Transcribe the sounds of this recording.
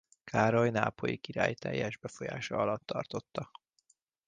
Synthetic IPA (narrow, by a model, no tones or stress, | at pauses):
kʰaːɾojnaːpo̞jikiɾa̰ːjt̪ɛ̰jːɛʒbɛfo̞jaːʃɒɒlɒt̪ːɒrt̪o̞t̪ːɒ